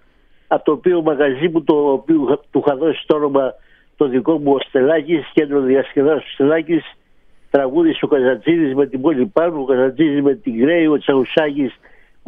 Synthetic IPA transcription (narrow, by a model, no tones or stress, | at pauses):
ɐpot̪opiomɐɣɐzimut̪opiut̪uxɐðo̞si̥t̪o̞no̞mɐ | t̪o̞ðiko̞muost̪e̞lɐcisce̞nd̪ɾo̞ðiɐsce̞ðɐsost̪e̞lɐcis | t̪ɾɐɣuðiso̞kɐzɐt͡siðizme̞t̪ibolʲipɐnuokɐzɐt͡sizizme̞t̪iŋɡɾe̞io̞t͡sɐɣusɐcis